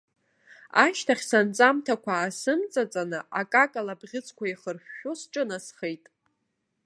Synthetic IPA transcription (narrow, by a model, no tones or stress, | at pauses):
aʃtʰaχʲsant͡sʼamtʰakʷaːsɨmt͡sʼat͡sʼanɨakʼakʼalabʁʲɪt͡sʼʰkʷaiχərɕᶣːʊsʈ͡ʂʼɨnasχejtʼ